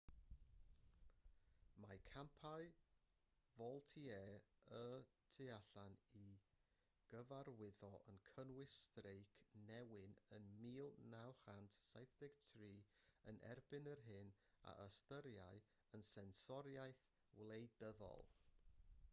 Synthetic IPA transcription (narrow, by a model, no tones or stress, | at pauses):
makʰampʰaj | vɔlˠtʰiɛːətʰɨaɬani | ɡ̥əvarwɪðɔʔənkʰənwɪstrejkʰnɛwɪnənmiːlˠnawχantʰsajθdɛɡ̥tʰriːənʔɛ̰rbɪnərɦɪn | a̰ʔəstəɾjaɨ | ənsɛnsɔɾjajθ | wlˠejdəðɔ̰lˠ